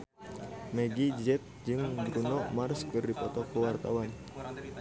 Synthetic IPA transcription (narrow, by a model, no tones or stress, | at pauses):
mɛɡid͡ʒɛt̪̚d͡ʒɨŋbɾunɔmarskɨrdipɔt̪ɔkəwart̪awan